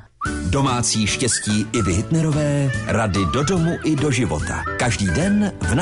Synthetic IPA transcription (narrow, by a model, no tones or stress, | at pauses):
do̞maːt͡siːʃcɛsciːʔɪvɪɦɪt̪nɛɾo̞vɛːɾadɪdo̞do̞muʔɪdo̞ʒɪvo̞̰t̪ʰa̰kaʒdiːdɛnvna